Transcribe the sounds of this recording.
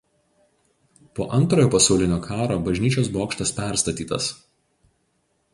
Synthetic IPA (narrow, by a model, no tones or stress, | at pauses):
poːʔɐnt̪ɾoːjoːpɐsɐʊlʲɪnʲoːkʰɑːɾoːbɐʒʲnʲiːt͡ʃʲoːsboːkʃt̪ɐspʲɛˑɾst̪ɐt̪ʲiːt̪ɐ̰s